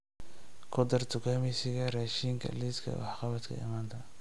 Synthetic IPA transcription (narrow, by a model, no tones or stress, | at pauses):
kʰʊd̪ɐrt̪ʰʊkʰaːmɛsɪɣɐraːʃiːŋkʰɐ̰liːskʰɐ̰wɑ̰ħqɑβɐt̪kʰɐ̰ɪ̰maːnt̪ʰɐ